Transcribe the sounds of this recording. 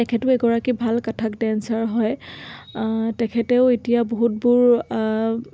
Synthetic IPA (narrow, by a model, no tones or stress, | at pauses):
ɛkʰɛtʊɛɡɔɹakibʱalkatʰakdɛnsaɹɦɔj | tɛkʰɛtɛʊetijaboɦut̚buɹ